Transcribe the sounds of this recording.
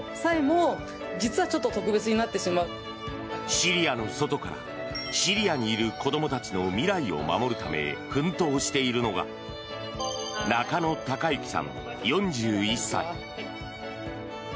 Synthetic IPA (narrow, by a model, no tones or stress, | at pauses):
saemoː | d͡ʑit͡sɨβat͡ɕo̞t̪ːot̪o̞kɯ̟be̞t͡sɨɲ̟inat̪ːe̞ɕimaɯ̟ | ɕiɾʲijano̞so̞t̪o̞kaɾa̰ | ɕiɾʲiaɲ̟iːɾɯ̟ko̞d̪o̞mo̞t̪at͡ɕino̞mʲiɾaio̞̰ma̰mo̞ɾɯ̟t̪ame̞̰kɯ̟̃nt̪o̞ːɕi̥t̪e̞iɾɯ̟no̞ɡa̰ | nakano̞t̪akaikʲi̥sã̰ŋ | jõ̞ɲ̟d͡ʑɨːisːa̰i